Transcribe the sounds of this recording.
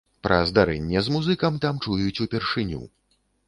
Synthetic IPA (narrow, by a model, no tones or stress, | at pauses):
pɾɐzd̪aɾɛ̰nʲːɛzmuzɨkɐmt̪amt͡ʂujut͡sʲupʲɛrʂɨnʲṵ